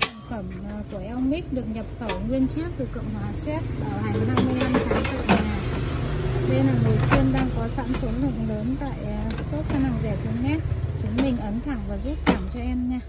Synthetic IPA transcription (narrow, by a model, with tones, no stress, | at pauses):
fə˧˩mː˨˩ku˧˩əʔɛ˧wŋ͡mmï˦˥k̚ɗɨ˨˩ək̚ɲə˨˩p̚t̪ə˧˩wŋwi˧ənt͡ɕi˦˥t̚t̪ɨ˨˩kə̰˧˨wŋ͡mhwaː˨˦sɛ˦˥t̚ɓaː˧˩wha˨˩jŋ̟haː˧mɨ˧əjna˧mt̪ʰaː˨˦ŋt̪a̰˧˨ɲaː˨˩ | ze˧naː˨˩ŋno˨˩t͡ɕi˧ənɗaː˧ŋkɔ˨˦sa̰ː˧˥nfo˨˦nlɨ̰˧˨əŋləː˨˦nt̪a̰ː˧˨j | so˦˥t̚xʰa˧na˨˩ŋzɛ˧˩t͡ɕʊ˨˦nɛ˦˥t͡ɕɨ˨˦ŋ͡mɗï˨˩ŋ̟ʔə˨˦nt̪ʰa˧˩ŋvəː˨˩zu˦˥t̚t̪ʰa˧˩ŋt͡ɕɔ˧ʔɛ˧mɲaː˧